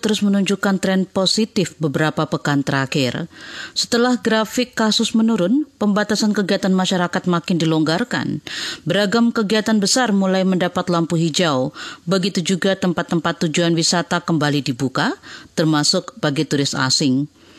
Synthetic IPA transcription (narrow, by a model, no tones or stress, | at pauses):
t̪əɾʊsmənuɲd͡ʒukant̪ɾɛnposit̪ɪfbəbəɾapapəkant̪əɾakɪrsə̥t̪əlahɡɾafɪkːasʊsmənuɾʊnpəmbat̪asankəɡiat̪anmaʃaɾakat̪̚makɪndilɔŋɡarka̰nbəɾaɡamkəɡiat̪anbəsarmulajməndapat̪lampuɦid͡ʒaubəɡit̪ud͡ʒuɡat̪əmpat̪ːəmpat̪ːud͡ʒuanwisat̪akəmbalidibukat̪ərmasʊk̚baɡit̪uɾɪst̪a̰sɪŋ